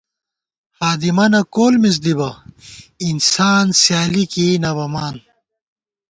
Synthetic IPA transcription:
haːd̪imɐnɐkoːlmis̬d̪ibɐ | insaːnsjaːlikinɐbɐmaːn

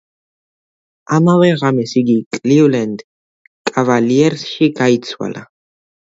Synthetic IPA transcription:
amavɛʁamɛsiɡikʼliulɛnd̪ | kʼavaliɛɾsʃiɡait̪sʰwa̰la̰

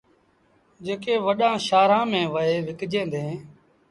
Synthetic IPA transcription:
d͡ʒeːkeːʋəɗãːʃaːɾãːmẽːʋəeːʋɪkd͡ʒẽːnd̪ẽː

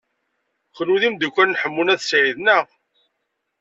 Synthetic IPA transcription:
χluðimd̪ukʷːænnħəmːunæðsʕiðnə

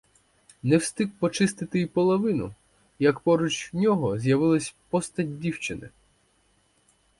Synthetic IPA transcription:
nɛwst̪ɪkpɔt͡ʃɪst̪ɪt̪ɪipɔlˠɔʋɪnʊ̰ | jɐkpɔɾut͡ʃʲnʲɔɦɔzʲjɐʋɪlˠɐsʲpɔst̪ɐtʲdʲiwt͡ʃɪnɪ̰

